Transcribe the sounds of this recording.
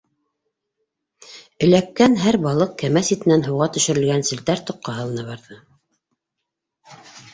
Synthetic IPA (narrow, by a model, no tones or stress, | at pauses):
ɵ̆lækːænɦæɾbɑlˠɤq̚kæmæsit̪ɘ̆nænɦɤ̆wʁɑt̪ɵ̆ʃɘ̆ɾɘ̆lɡænsɘ̆lt̪æɾt̪ŏqʰːɑɦɤ̆lˠɤ̆nɑβɑɾðɤ